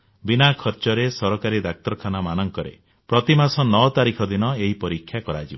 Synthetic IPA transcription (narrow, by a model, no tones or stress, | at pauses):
binakʰɔɾt͡ʃɔɾesɔɾɔkaɾid̪ak̚t̪ɔɾkʰanamanɔŋkɔɾḛ | pɾɔt̪imasɔnɔɔt̪aɾikʰɔd̪inɔeɦipɔɾikʰːjakɔɾad͡ʒib